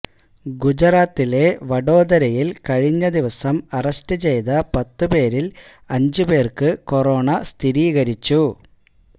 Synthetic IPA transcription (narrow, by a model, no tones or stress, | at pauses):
ɡud͡ʑɐraːt̪ːile̞ʋɐɽo̞ːd̪ɐɾɐjilkɐɻiɲːɐd̪iʋɐsɐmɐrɐstɨt͡ɕe̞jðɐpɐt̪ːɨpe̞ːɾil | ɐɲd͡ʑɨbe̞ːrkɨko̞roːɳɐst̪ʰiɾiːɣɐɾit͡ɕːu